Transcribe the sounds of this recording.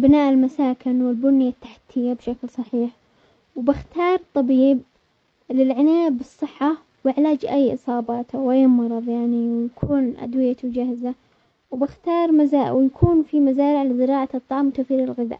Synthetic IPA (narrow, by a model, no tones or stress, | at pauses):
bɪnaːʔɪlmasaːkɪnwɪlbʊnːɪjat̪ːaħḁt̪ʰːɪjːabʃaklsˤɑħiːħ | wbɪxt̪ɑːɾˤt̪ˤːɑbiːb̚ | lɪlʕɪnaːbɨsˤːɨħːa | wɪʕlaːd͡ʒʔajːʔɨ̰sˤɑːbɑːt̪awʔajːmɑɾˤɑðˤjaʕniwjakʰuːnʔa̰d̪wɪjat̪d͡ʒahza | wbɪxt̪ɑːɾˤmazaːwjakʰuːnfimazaːɾɪʕlɪzɪɾɑːʕaɨt̪ˤːɑʕɑmwt̪awθiːɾɪlɣɪða̰ːʔ